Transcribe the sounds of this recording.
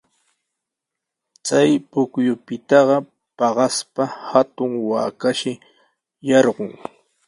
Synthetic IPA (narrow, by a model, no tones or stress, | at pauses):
t͡sajpʊkjʊpɪt̪ɑɢɑ | pɑɢɑspahat̪ʊŋwaːkaʃɪ | jɑɾɢʊŋ